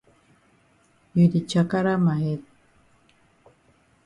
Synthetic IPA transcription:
iɾit͡ʃakaɾamaet̪̚

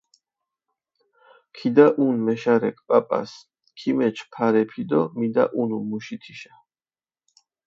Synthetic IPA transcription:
kʰid̪aʔunmɛʃaɾɛkʼpʼapʼa̰s | kʰimɛt͡ʃʰpʰaɾɛpʰid̪ɔmid̪a̰ʔunumuʃit̪ʰiʃḁ

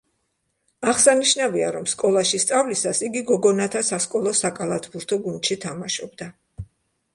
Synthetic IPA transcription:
aχsaniʃnavia̰ɾɔmskʼɔlˠaʃist̪sʼavlisasiɡiɡɔɡɔnat̪ʰasaskʼɔlˠɔsakʼalˠat̪ʰbuɾt̪ʰɔɡund̪ʃit̪ʰamaʃɔb̚d̪a

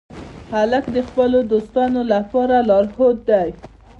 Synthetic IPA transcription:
halakd̪əxpəlod̪ost̪ɑnolapɑɾalɑɾhot̪̚d̪aj

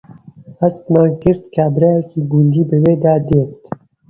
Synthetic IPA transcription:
hæst̪maːnkɨɾt̪kʰaːbɾɛjɛkʰiːɡund̪iːbɨweːd̪aːd̪eːt̪

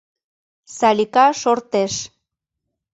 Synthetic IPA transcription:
salikaʃoɾt̪es

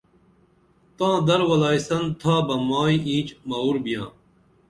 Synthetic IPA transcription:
t̪ãːd̪ɐɾwɐlaːjsɐnt̪ʰaːbɐmaːiĩːt͡ɕmauɾbijãː

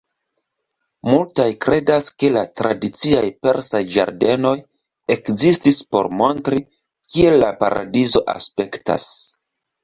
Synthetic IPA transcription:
multajkɾe̞daske̞latɾadit͡siajpe̞ɾsajd͡ʒa̰ɾde̞no̞j | e̞kzistispo̞̰ɾmo̞ntɾi | kie̞lːapaɾʔa̰dizo̞ʔa̰spe̞kta̰s

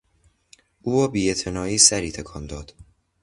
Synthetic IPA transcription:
ʔuːvɒːbiːet̪ʰenɒːiːsæɾiːt̪ʰekʰɒːnd̪ɒːd̪̥

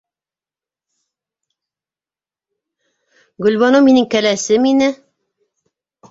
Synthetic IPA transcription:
ɡɵ̆lβɑnominɘŋkælæsɘminɘ

